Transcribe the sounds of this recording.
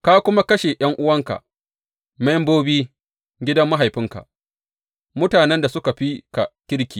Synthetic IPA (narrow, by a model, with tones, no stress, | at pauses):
ka˦kʷʊ˦ma˦kɐ˦ʃe˨j̰ɐ˦ŋʔʊ˦wɐ˦ŋka̰˨ | ma˦jmboː˦biː˦ | ɡʲɪ˦dɐ˦mːa˦ɦa˨jɸɪ˦ŋka̰˨ʔ | mʊ˦taː˨nɛ˦nda˨sʊ˦ka˨ɸi˦ka˨kʲɪ˦ɽkʲiː˨